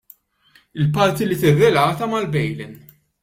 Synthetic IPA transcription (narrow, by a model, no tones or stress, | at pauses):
ɪlpɐɾt̪ilit̪ɪrːɛlɐːt̪ɐmɐlbɛjlɪn